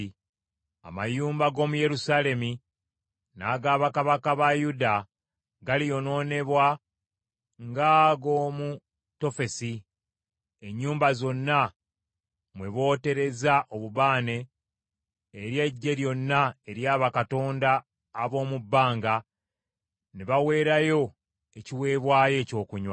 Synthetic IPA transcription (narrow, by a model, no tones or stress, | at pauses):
a̰majuːmbaɡo̞ːmuje̞ɾusaːle̞mi | naɡaːβakaβakaβajuda | ɡalijo̞no̞ːne̞βwa | ŋɡaɡo̞ːmu | to̞fe̞si | e̞ɲːuːmbazo̞nːa | mwe̞βo̞ːte̞ɾe̞zaʔo̞βuβaːne̞ | ɾje̞ɟːe̞ɾjo̞nːae̞ɾjaːβakato̞ːndaː | βo̞ːmubːaːŋɡa | niβawe̞ːɾajo̞ | e̞ciwe̞ːβwaːje̞ːco̞ːkuɲwa